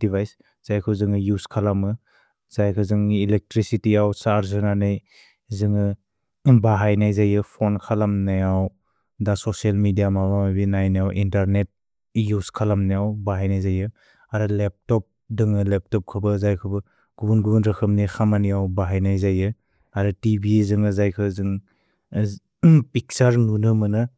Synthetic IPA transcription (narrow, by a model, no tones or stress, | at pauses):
d̥ibajs | z̥ajkʰɯzɯŋɯjuskʰalamɯ | z̥ajkʰɯzɯŋilek̚tɾisitiawsaɾzɯnanɯj | zɯŋɯ | baɦajnajzajɯpʰonkʰalamnajaw | dasɔsialmidijamabamabinajnajawʔintaɾnet̚ | juskʰalamnajawbaɦajnajzajɯ | aɾɯlep̚tɔp̚ | dɯŋɯlep̚tɔp̚kʰɯbɯzajkʰɯbɯ | ɡ̥ubunɡubunɾɯkʰɯmnɯjkʰamanijawbaɦajnajzajɯ | aɾɯtibizɯŋɯzajkʰɯzɯŋ | pik̚saɾnunɯmɯnɯ